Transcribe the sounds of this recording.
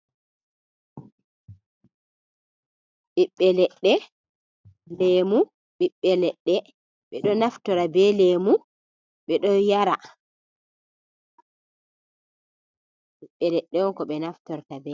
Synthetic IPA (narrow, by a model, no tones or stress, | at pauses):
ɓiɓːɛlɛɗːɛ | lɛmu | ɓiɓːɛlɛɗːɛ | ɓɛɗɔnaftɔɾabɛlemu | ɓɛɗɔjaɾa | ɓiɓːɛlɛɗːɛwɔkɔɓɛnaftɔɾtabɛ